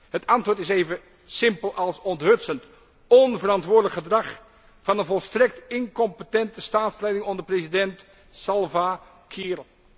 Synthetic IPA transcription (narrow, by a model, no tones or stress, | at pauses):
hətʰɑntʋʊːɹtɪsejvə | sɪmpəlˠʔɑlˠsɔntɦɵtsənt | ɔnvərɑntʋʊːɹdələkχədrɑχ | fɑnənvɔlˠstrɛk̚tɪŋkɔmpətɛntəstaːtslɛjdɪŋɔndəprezidɛnt | sɑlˠva | kʰɪːrəlˠ